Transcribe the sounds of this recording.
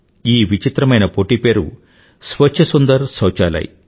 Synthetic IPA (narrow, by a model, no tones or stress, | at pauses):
iːʋit͡ʃit̪ɾɐmɐjnɐpoʈiːpeːɾṵ | sʋɐt͡ʃʰːɐsund̪ɐɾsɐwt͡ʃaːlɐ̰ːjḭ